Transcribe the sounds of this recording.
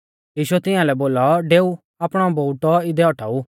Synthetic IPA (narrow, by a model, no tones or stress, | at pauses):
jiːʃuɛt̪ɪãlɛboːlɔɖeːu | aːpɽ̃ɔbouʈɔɪd̪ɛɔʈʰa̰ːuː